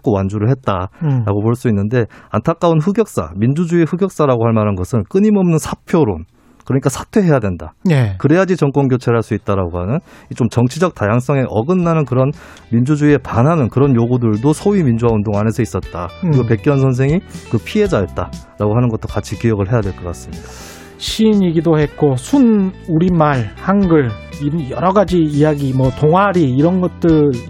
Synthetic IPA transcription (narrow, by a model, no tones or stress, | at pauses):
k͈owand͡ʑuɾɯɭɦe̞t̚t͈aɾaɡopoɭs͈uinːɯnde̞antʰak͈aunɸuɡjʌk̚s͈a̰mind͡ʑud͡ʑuiɸuɡjʌk̚s͈aɾaɡohaɭmaɾɦanɡʌsʰɯnk͈ɯɲimʌmnɯnsʰapʰjoɾon | kɯɾʌɲik͈asʰḁtʰwe̞ɦe̞jadwendanekɯɾe̞jad͡ʑit͡ɕʌŋk͈wʌnɡjot͡ɕʰeɦaɭs͈uit̚t͈aɾaɡohanɯnit͡ɕomt͡ɕʌŋt͡ɕʰid͡ʑʌk̚tajaŋs͈ʌŋe̞ʔʌɡɯnːanɯnkɯɾʌn | mind͡ʑud͡ʑuie̞panɦanɯnkɯɾʌnjoɡudɯɭdosʰoɥimind͡ʑuwaundoŋane̞sʰʌis͈ʌt̚t͈akɯɾiɡope̞k͈jʌns̬ʰʌns̬ʰeŋikɯpʰie̞d͡ʑajʌt̚t͈a | ɾaɡoɦanɯnɡʌt̚t͈okat͡ɕʰikijʌɡɯɭɦe̞jadwe̞ɭk͈ʌk͈as͈ɯmɲida | ɕʰiːɲiɡidohe̞k͈osʰunuɾimaɭhanɡɯɭijʌ̰ɾʌɡad͡ʑiːjaɡimʌtoŋɦwaɾiːɾʌnɡʌt̚t͈ɯɭ